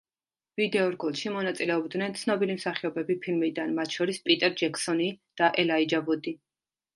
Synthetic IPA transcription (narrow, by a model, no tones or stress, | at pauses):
vid̪ɛɔɾɡulˠʃimɔnat̪sʼilɛɔbd̪nɛnt̪sʰnɔbilimsaχiɔbɛbipʰilmid̪anmat̪ʰʃɔɾispʼit̪ʼɛɾd͡ʒɛkʰsɔnid̪̥aʔɛlaid͡ʒavud̪i